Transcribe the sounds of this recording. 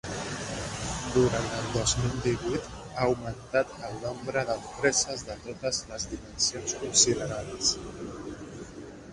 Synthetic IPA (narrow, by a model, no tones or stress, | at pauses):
d̪uɾant̪əlˠd̪ozmilˠd̪iβujt̪ | aəwmənt̪at̪əlˠnombɾəðəðupɾɛzəzðət̪ot̪əzləzðimənsionskunsiðəɾaðəs